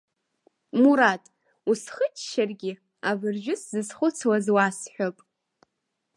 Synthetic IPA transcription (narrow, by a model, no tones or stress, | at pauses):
muɾatʼ | usχət͡ʃʰʼʃarɡʲɪ | avɨrʒʷᶣʊszɨsχʷʊt͡sʰwazwasħʷᶣopʼ